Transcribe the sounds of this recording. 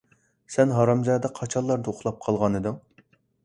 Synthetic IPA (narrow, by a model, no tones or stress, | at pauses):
sɛnɦɑɾɑmzɑd̪ɑqʰɑt͡ʃʰɑlˠːɑɾd̪ɨoχlˠɑp̚qʰɑlˠʁɑnɨd̪ɨŋ